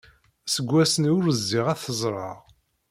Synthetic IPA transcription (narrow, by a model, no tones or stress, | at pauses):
səɡʷːæsənʊɾəzːiʁæθəzˤɾˤɑ̰ʁ